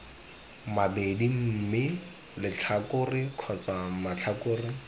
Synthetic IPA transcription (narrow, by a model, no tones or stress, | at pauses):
mabedim̩ːmɪ | lɪt͡ɬʰakʊrɪkʰɔt͡samat͡ɬʰakʊːrɪ